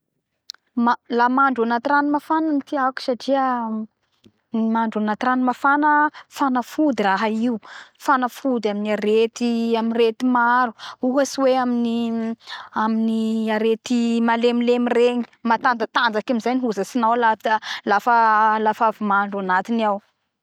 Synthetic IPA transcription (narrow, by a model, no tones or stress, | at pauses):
malamaɳɖ͡ʐanat̪iranmafananit̪iaku̥saʈ͡ʂiə | maɳɖ͡ʐanat̪iɾanmafanəfanəfud̪iraɦaiufanəfud̪aminiaɾet̪iaminret̪imaɾuuɦasiweamini | aminiaɾet̪imalemilemireɲi̥mat̪and͡zət̪and͡zakamizajniɦuzəsinawlalafəlafavimaɳɖ͡ʐanat̪iniaw